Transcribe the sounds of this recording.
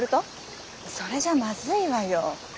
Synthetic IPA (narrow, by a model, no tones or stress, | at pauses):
ɾɯ̟t̪o | so̞ɾe̞ʑamazɨiβajo